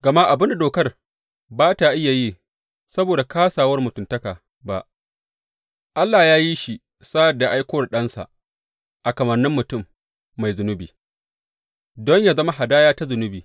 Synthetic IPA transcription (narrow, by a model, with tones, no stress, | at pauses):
ɡɐ˨ma˦ʔa˨bɪ˦nda˨doː˨kɐ˦r | baː˦ta˨ʔɪ˦ja˨ji˦ | sɐ˦boː˨da˨kaː˦saː˨wɐ˦rmʊ˨tʊ˨ntɐ˦kaː˨ | ba˨ʔ | ʔa˦lːaː˨jaː˦ji˦ʃi˨ | saː˦jɐ˨rda˨ʔa˦jkʷoː˦wa˨ɗɐ˦nsa̰˨ʔ | ʔa˨kɐ˨mɐ˨rnɪ˦mːʊ˨tʊ˦˨mː | a˨jzʊ˨nʊ˦bḭː˨ | dɔ˦ɲjaː˨zɐ˦ma˦ɦa˨daː˦jaː˦ta˦zʊ˨nʊ˦biː˨